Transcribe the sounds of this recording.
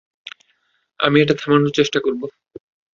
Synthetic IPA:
a̰mieʈat̪ʰɛmanoɾt͡ɕeʃʈakoɾbo

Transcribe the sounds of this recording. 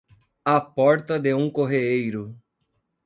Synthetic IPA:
ɐpɔɾt̪ɐd̪eũkoɦeejɾʊ

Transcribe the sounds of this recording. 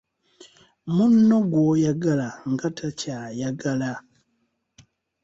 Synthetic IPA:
munnoɡwojaɡalaŋɡatʰacajaɡala

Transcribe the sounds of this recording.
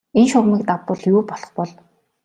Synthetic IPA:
enʃʊrmiːkt̪apʊ̆ːɮjuːpɔɮɞ̆χpɔɮ

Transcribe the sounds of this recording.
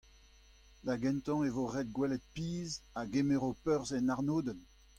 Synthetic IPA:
daɡɛ̃nt̪ɑ̃evoʁɛd̪̚ɡwɛlɛt̪̚piːzaɡemeʁopœʁzɛnaʁnoːd̪ən

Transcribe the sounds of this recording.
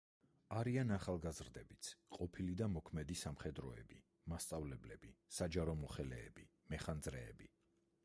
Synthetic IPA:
aɾianaχalˠɡazɾd̪ɛbit̪sʰqʼɔpʰilid̪amɔkʰmɛd̪isamχɛd̪ɾɔɛbi | mast̪sʼavlɛblɛb̥isad͡ʒaɾɔmɔχɛlɛːbi | mɛχand̪zɾɛːbi

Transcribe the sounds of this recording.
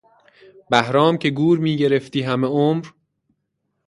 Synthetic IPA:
bæhɾɒːmcʰe̞ɡuːɾmiːɟe̞ɾe̞ft̪iːɦæme̞omɾ

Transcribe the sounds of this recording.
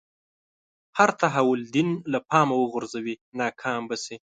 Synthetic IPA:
haɾt̪aɦawʊld̪ɪnlapɑːmawəɣʊɾzawinɑːkʰɑmbasi

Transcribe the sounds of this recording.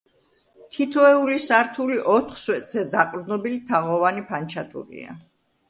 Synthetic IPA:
t̪ʰit̪ʰɔɛulisaɾt̪ʰuliʔɔt̪ʰχswɛt̪ʼz̥ɛd̪akʼɾd̪nɔbilit̪ʰaʁɔvanipʰant͡ʃʰat̪ʰʼṵɾḭa̰

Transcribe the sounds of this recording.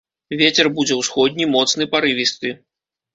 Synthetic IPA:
vʲet͡sʲɛrbud͡zʲɛwsxɔd̪̚ʲnʲimɔt̪snɨpaɾɨvʲist̪ɨ

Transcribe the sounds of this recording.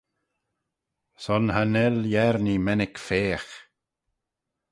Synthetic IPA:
sɔnhanɛljɛɾnimɛnɪkfeːx

